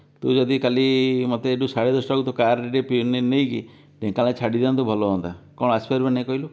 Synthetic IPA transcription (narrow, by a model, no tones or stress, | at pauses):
t̪ud͡ʒɔd̪ikalimɔt̪eːɖusaɽed̪ɔsʈaut̪ɔkaɾɾeɾepinenejki | ʈẽkalẽt͡ʃʰaɽid̪iant̪ubʱɔlɔɦɔnt̪akɔ̃ɔaspʰajɾbanaĩkɔɦilo